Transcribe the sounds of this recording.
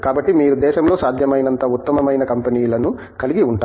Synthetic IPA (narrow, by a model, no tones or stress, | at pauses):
kaːbɐʈːimiːɾud̪ɛːʃɐmlo̞ːsaːd̪ʱjɐmɐjnɐnt̪ɐut̪ːɐmɐmɐjnɐkɐmpɐniːlɐnu | kɐliɡiuɳʈa